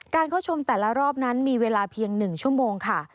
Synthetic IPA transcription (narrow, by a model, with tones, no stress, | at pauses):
kaː˧nkʰaː˥˩wt͡ɕʰo˧mt̪ɛː˨˩la˦˥ɾɔː˥˩p̚na˦˥nmiː˧weː˧laː˧pʰi˧əŋnɯ˨˩ŋt͡ɕʰu˥˩əmoː˧ŋkʰa˥˩